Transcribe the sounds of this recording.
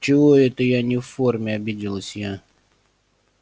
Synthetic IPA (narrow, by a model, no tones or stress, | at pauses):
t͡ɕɪvoɛt̪əjanʲɪffːormʲɪɐbʲidʲɪlˠəsʲja